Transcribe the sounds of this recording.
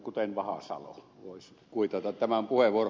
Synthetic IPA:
kut̪enʋɑhɑ̰sɑ̰lo̰ʋoˑis | kuit̪ɑt̪ɑt̪t̪æmæmpuheʋˑuor

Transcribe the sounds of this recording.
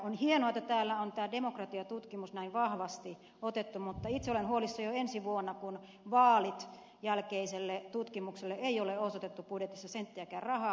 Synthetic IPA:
onhienoɑt̪ːˑɑt̪æːlːæont̪æːdemokrɑt̪iɑt̪ut̪kimusnæiʋʋɑhʋɑst̪i | ot̪et̪ːumut̪ːɑit̪seolenhuolisːɑjoensiʋuonːɑkun | ʋɑːlit̪ | jælkeiselːet̪ut̪kimukselːeʔeioleosot̪et̪ːupudjet̪isːɑsent̪ːeækæːrrɑhɑː

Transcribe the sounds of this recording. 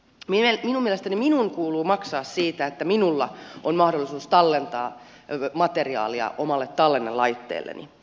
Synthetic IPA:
miminumielest̪æniminuŋkuːluːmɑksɑːssiːt̪æet̪ːæminulːɑonmɑhdolːisuːst̪ɑlːent̪ɑːmɑt̪eriɑ̰ːliɑ̰ʔomɑlːet̪t̪ːɑlːenːelɑit̪ːḛːlːḛnʔḭ

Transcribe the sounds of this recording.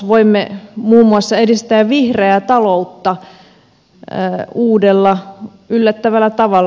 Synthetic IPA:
ʋoimːemuːmːuɑsːɑedist̪æːʋʋihreæt̪ɑlout̪ːɑ | uːdelːɑ | ylːæt̪ːæʋælːˑæt̪ɑʋɑlː

